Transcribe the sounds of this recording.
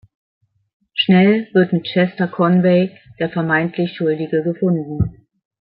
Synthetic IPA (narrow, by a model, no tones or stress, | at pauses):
ʃnɛlvɪɐtmɪt̚t͡ʃɛstɐkʰɔnveɪ | d̥eːɐfɛɐmaɪntʰlɪçʃʊldɪɡəɡəfʊndn̩